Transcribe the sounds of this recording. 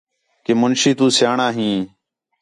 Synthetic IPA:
keːmʊnʃiːt̪ũːsjaːɳaːɦĩː

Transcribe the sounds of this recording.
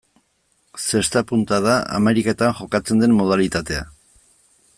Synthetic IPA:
se̞st̪apunt̪aðaa̰me̞ɾikat̪anxo̞kat͡se̞nd̪e̞mːo̞ð̞alit̪at̪e̞a

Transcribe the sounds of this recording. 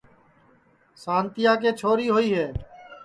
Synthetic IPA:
sãːnt̪ɪjaːkeːt͡ʃʰoːɾiːɦoːiːɦeː

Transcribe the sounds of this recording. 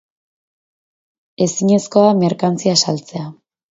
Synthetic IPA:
e̞siɲe̞sko̞ame̞ɾkant͡siasalt͡se̞a

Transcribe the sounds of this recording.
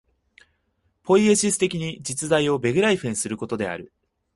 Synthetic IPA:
po̞ie̞ɕisɨ̥t̪e̞kʲiɲ̟id͡ʑit͡sɨzaio̞be̞ɡɯ̟ɾaiɸẽɰ̃sɨɾɯ̟ko̞t̪o̞d̪e̞a̰ɾɯ̟

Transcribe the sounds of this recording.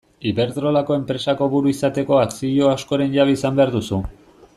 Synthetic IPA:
iβe̞ɾt̪ɾo̞lako̞e̞mpɾe̞sako̞βuɾuisat̪e̞ko̞at͡siʎo̞asko̞ɾe̞nʝaβeisambe̞aɾðusu

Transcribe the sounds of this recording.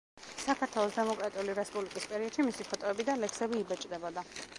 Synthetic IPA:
sakʰaɾt̪ʰwɛlˠɔsd̪ɛmɔkʼɾat̪ʼiuliɾɛspʼublikʼispʼɛɾiɔd̪̥ʃimisipʰɔt̪ʼɔɛbid̪alɛksɛbiːbɛt͡ʃʼd̪ɛbɔd̪a

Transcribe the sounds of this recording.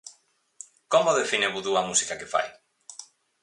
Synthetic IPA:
komoðefineβuðuɐmusi̥kɐkefa̰j

